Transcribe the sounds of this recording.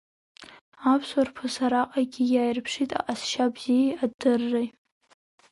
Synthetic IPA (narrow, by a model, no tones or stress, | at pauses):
apʰswarpʰasaɾaqʼaɡʲijaːjrpʰʂitʼa̰ʔʼasʃabz̥ijaadɨrːaj